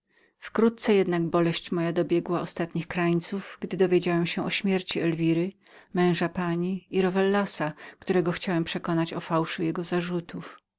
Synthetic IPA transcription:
fkɾut̪̚t̪sɛjɛd̪naɡ̚bɔlɛɕt͡ɕmɔjad̪ɔbʲjɛɡwaɔst̪at̪ɲixkɾajt̪suvɡd̪ɘd̪ɔvʲjed͡ʑawɛmɕɛʔɔɕmʲjɛɾt͡ɕiɛlvʲiɾɘ | mɛ̃w̃ʐapaɲiiɾɔvɛlːasakt̪uɾɛɡɔxt͡ɕawɛmpʂɛkɔnat͡ɕɔfawʂujɛɡɔzaʐut̪ʰuf

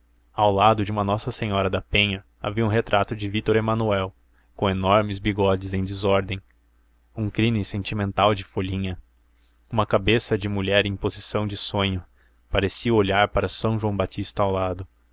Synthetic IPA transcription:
awlad̪ʊd͡ʒɪũmɐnɔsɐsẽɲɔɾɐd̪ɐpẽɲɐ | a̰viɐũɦet̪ɾʔat̪ʊd͡ʒɪvit̪oɾemɐ̃nuɛw | kõenɔɾmɪzbiɡɔd͡ʒɪzẽj̃d̪ɪzɔɾd̪ẽj̃ | ũkɾimɪsẽnt͡ʃimẽnt̪awd͡ʒɪfoʎĩɲɐ | ũmɐkabesɐd͡ʒɪmuʎɛɾẽj̃pozisɐ̃w̃d͡ʒɪsõɲʊ | paɾesiɐoʎaɾpaɾɐsɐ̃w̃ʒuɐ̃w̃bat͡ʃist̪ɐːwlad̪ʊ

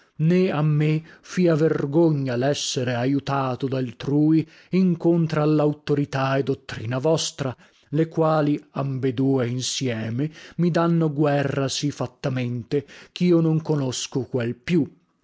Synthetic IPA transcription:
neamːefiaverɡoɲːalɛsːeɾeajut̪aːt̪od̪alt̪ɾuːi | iŋkont̪ɾaalːawt̪oɾit̪aed̪ːot̪ːɾiːnavɔst̪ɾa | lekwaːliambed̪uːeinsjɛːmemid̪anːoɡwɛrːasifat̪ːament̪ek̟iːonoŋkonoskokwelpju

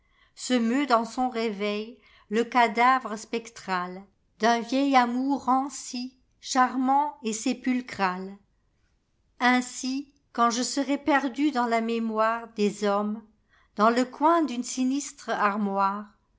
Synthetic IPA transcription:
səmød̪ɑ̃sɔ̃ʁevɛj | ləkad̪avʁəspɛkt̪χal | d̪ɛ̃vjɛjamuʁɑ̃si | ʃaʁmɑ̃esepylkχal | ɛ̃si | kɑ̃ʒəsəʁɛpɛʁd̪yd̪ɑ̃lamemwaʁd̪ezɔm | d̪ɑ̃ləkwɛ̃d̪ynsinist̪χaʁmwaːʁ

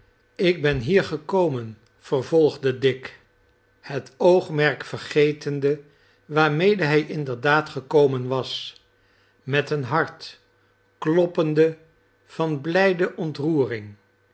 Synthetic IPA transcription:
ɪɡ̚bɛnɦiːɹχəkowmən | v̥ərvɔlˠχdədɪk | hətowχmɛɹkfəɹχejtəndə | ʋaːɹmejdəɦɛjʔɪndəɹdaːtχəkowmənʋɑs | mɛtənɦɑɹt | klɔpəndə | v̥ɑnblɛjdəʔɔntruːrɪŋ

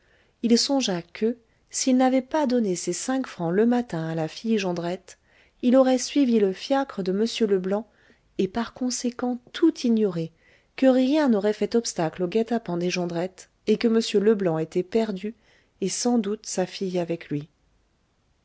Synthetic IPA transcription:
ilsɔ̃ʒakʰə | silnavɛpad̪ɔnesesɛ̃kfχɑ̃ləmat̪ɛ̃alafijʒɑ̃d̪ʁɛt̪ | ilɔʁɛsɥiviləfjakχəd̪əməsjøləblɑ̃ | epaʁkɔ̃sekɑ̃t̪ʰut̪ʰiɲɔʁe | kəʁjɛ̃nɔʁɛfɛt̪ɔpst̪akloɡat̪apɑ̃d̪eʒɑ̃d̪ʁɛt̪ | ekəməsjøləblɑ̃et̪ɛpɛʁd̪y | esɑ̃d̪ut̪safijavɛklɥi

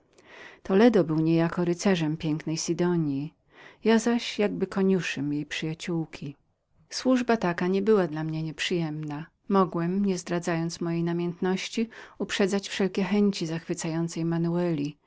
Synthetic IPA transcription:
t̪ɔlɛd̪ɔbɘwɲɛjakɔɾɘt̪sɛʐɛmpʲjɛŋknɛjsid̪ɔɲji | jazaɕjaɡbɘkɔɲuʂɛmjejpʂɘjat͡ɕuwkʲʰi | swuʐbat̪akaɲɛbɘwad̪lamɲɛɲɛpʂɨjɛmna | mɔɡwɛmɲɛzd̪ɾad̪zajɔnt̪smɔjejnamʲjɛnt̪nɔɕt͡ɕiupʂɛdzat͡ɕfʂɛlkʲɛxɛɲt͡ɕizaxfɘt̪sajɔnt̪sɛjmanuɛlʲi

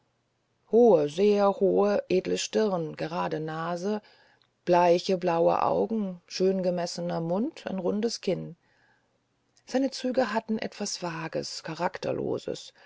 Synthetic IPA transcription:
hoːəzeːɐhoːəʔeːdləʃtɪʁnɡəʁaːdənaːzə | b̥laɪçəblaʊə̰ʔa̰ʊɡŋ̩ʃøːnɡəmɛsənɐmʊntʰa̰ɪnʁʊndəskʰɪn | z̥aɪnət͡syːɡəɦatn̩ʔɛ̰tv̥asv̥aːɡə̰skʰaʁaktɐ̰lo̰ːzə̰s

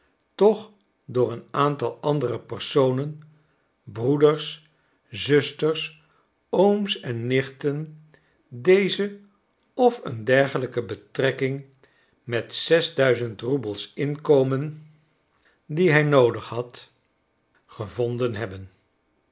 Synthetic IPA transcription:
tɔχ | dʊːɹənaːntɑlˠɑndərəpəɹsownən | brudəɹs | zɵstərs | owmsɛnːɪχtən | dejzə | ɔfə̰ndɛɹχələkəbətrɛkɪŋ | mɛtsɛzdœɥzəntrubəlˠsɪnkowmən | diɦɛjnowdəχhɑt | χəvɔndənɦɛbən

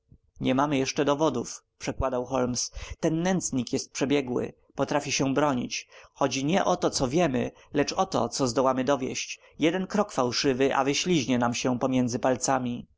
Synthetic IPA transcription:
ɲɛmamɘjɛʂt͡ʂɛd̪ɔvɔd̪ufpʂɛkwad̪awxɔlmst̪ɛnːɛnt̪sɲikjɛst̪̚pʂɛbʲjɛɡwɘ̰ | pɔt̪ɾafʲiɕɛ̃bɾɔɲḭt͡ɕxɔd͡ʑiɲɛʔɔt̪ɔt̪sɔvʲjɛmɘ | lɛt͡ʂɔt̪ɔ̰t̪sɔzd̪ɔwamɘd̪ɔvʲjɛ̰ɕt͡ɕ | jɛd̪ɛnkɾɔkfawʂɘvɘʔa̰vɘɕlʲiʑɲɛnamɕɛpɔmʲjɛnd̪zɘpalt̪samʲi

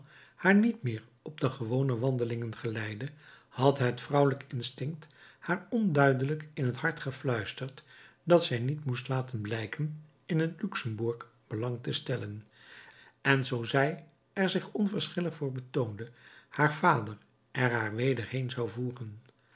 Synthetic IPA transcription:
haːɹnitmɪːɹ | ɔbdəχəʋownəʋɑndəlɪŋənχəlɛjdə | hɑtɦətfrʌwləkɪnstɪŋkthaːɹɔndœɥdələkɪnɦəthɑɹtχəflœɥstəɹtdɑtsɛjnitmustlaːtənblɛjkən | ɪnɦətlyksəmbʊɹk | b̥əlɑŋtəstɛlən | ɛnzowzɛj | ɛɹzɪχɔnvəɹsχɪləχfʊːɹbətowndəhaːɹvaːdəɹ | ʔɛɹɦaːɹʋejdəɹɦejnzɑwvuːχən

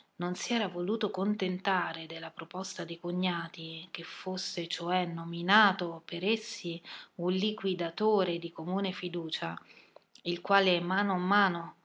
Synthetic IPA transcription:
nonsiɛːɾavoluːt̪okont̪ent̪aːɾed̪elːapɾopɔst̪ad̪ikoɲːaːt̪ik̟efːosːet͡ʃoɛnominaːt̪opeɾesːiunlikwid̪at̪oːɾed̪ikomuːnefid̪uːt͡ʃa | ilkwaːleɛmːaːnoamːaːno

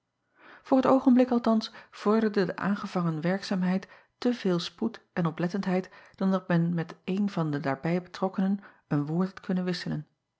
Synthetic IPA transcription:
v̥ʊːɹɦətowχənblɪkɑlˠtɑnsv̥ɔɹdəɹdədəʔa̰ːnχəv̥ɑŋənʋɛɹksaːmɦɛjt | təvɪːlˠsputʔɛnɔplɛtəntɦɛjtd̥ɑndɑtmɛnmɛtejnvɑndədaːɹbɛjbətrɔkənən | ənʋʊːɹtɦɑtkʰɵnənʋɪsələn

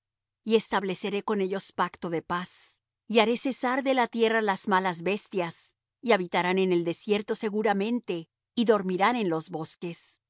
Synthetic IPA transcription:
ie̞st̪aβle̞se̞ɾe̞ko̞ne̞ʝo̞spakt̪o̞ðe̞pas | iaɾe̞se̞saɾðe̞lat̪je̞ralaz̥malazβe̞st̪jas | iaβit̪aɾane̞ne̞ld̪e̞sje̞ɾt̪o̞se̞ɣuɾamẽ̞nt̪e̞ | iðo̞ɾmiɾane̞nlo̞zβo̞ske̞s

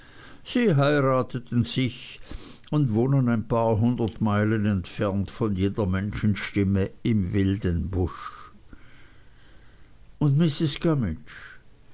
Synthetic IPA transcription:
z̥iːɦaɪʁaːtʰətn̩z̥ɪç | ʊntvoːnənaɪnpʰaːɐɦʊndɐtmaɪlənɛntfɛɐntfɔnjeːdɐmɛnʃn̩ʃtɪməɪmvɪldənbʊʃ | ʊntmɪsɪsɡ̥amɪnt͡ʃ

